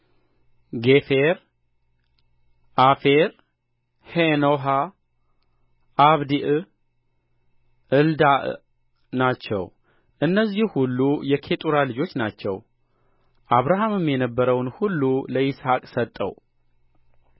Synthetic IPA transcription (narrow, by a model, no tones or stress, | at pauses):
ɡe̞feɾ | ʔafeɾ | henoɦa | ʔːβd̪iʔ | ʔɨld̪aʔ | nat͡ʃːɛ̰w | ʔɨnːəzːihhulːujɛkʰe̞t̪ʼuɾalɨd͡ʒo̞t͡ʃːnat͡ʃːɛ̰w | ʔaβɾaɦamɨmjɛnəbːəɾəwnhulːuləishakʼsət̪ʼːə̰w